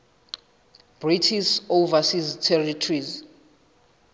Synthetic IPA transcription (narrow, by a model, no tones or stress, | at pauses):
b̥ritʰisovasiztʰɛritʰriz